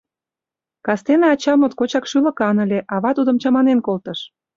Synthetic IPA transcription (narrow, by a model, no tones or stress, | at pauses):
kɑst̪enɑɑt͡ɕɑmot̪kot͡ɕɑkʃylə̆kɑnə̆lʲeʔɑβɑt̪ud̪ə̆mt͡ɕɑmɑnenkolt̪ə̆ʃ